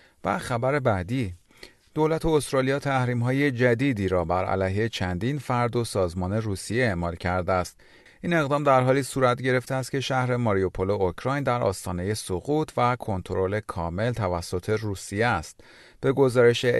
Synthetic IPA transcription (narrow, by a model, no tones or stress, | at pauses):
bæ̰xæbæɾe̞bæd̪iː | d̪̥o̞ːlæt̪ʰoost̪ɾɒːlijɒːt̪ʰæhɾiːmɦɒːje̞d͡ʒæd̪iːd̪iːɾɒːbæɾæ̰læjɦet͡ʃʰænd̪iːnfæɾd̪o̞sɒːzmɒːne̞ruːsijeeʔmɒːlcʰæɾd̪eæst̪ | iːne̞ɣd̪ɒːmd̪æɾɦɒːliːsuːɾæt̪ɟe̞ɾe̞ft̪eæst̪̚cʰe̞ʃæhɾe̞mɒɾiopʰo̞lo̞ocʰɾɒːjnd̪æɾʔɒ̰ːst̪ɒːne̞je̞soɣuːt̪ʰvækʰo̞nt̪ʰoɾo̞le̞kʰɒːme̞lt̪ʰævæsːot̪ʰe̞ruːsijeæst̪̚ | b̥e̞ɡo̞zɒːɾe̞ʃe